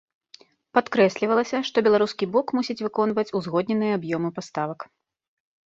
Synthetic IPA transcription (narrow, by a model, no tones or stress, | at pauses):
pat̪kɾɛsʲlʲivɐlˠɐsʲɐʂt̪ɔbʲɛlˠaɾuskʲibɔkmusʲit͡sʲvɨkɔn̪vɐt͡sʲuzɣɔd̪̚ʲnʲɛnɨjɛabjɔmɨpast̪avɐk